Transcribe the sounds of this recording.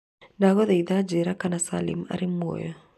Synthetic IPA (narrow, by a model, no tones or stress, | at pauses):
ndaɣɔðɛiðad͡ʒɛɾakanasa̰lḭma̰ɾimo̰jɔ